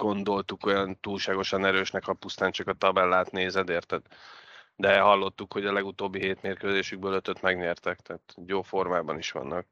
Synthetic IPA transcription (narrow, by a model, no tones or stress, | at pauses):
ɡ̥o̞nd̪o̞lt̪uko̞jɒnt̪uːlʃaːɡo̞ʃɒnɛɾøːʃnɛkhɒpust̪aːnt͡ʃɒkɒt̪ɒbɛlːaːt̪neːzɛd̪eːrt̪ːɛt̪ | d̪ɛɦɒlːo̞t̪ːukho̞ɟɒlɛɡut̪oːbːiɦeːt̪meːrkøːzeːʃyɡ̚bøːløt̪øt̪mɛɡɲɛrt̪ɛkt̪ɛːt̪joːfo̞rmaːbɒniʃʋɒ̰nːɒk̚